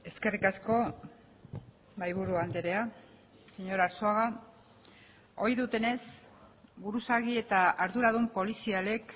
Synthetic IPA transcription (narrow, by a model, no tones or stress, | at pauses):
e̞ske̞rikasko̞ | majβ̞uɾuand̪eɾe̞a | seɲo̞ɾaɾsoaɣa | o̞jðut̪e̞ne̞s | buɾusaɣie̞t̪aʔaɾðuɾaðumpo̞lisiale̞k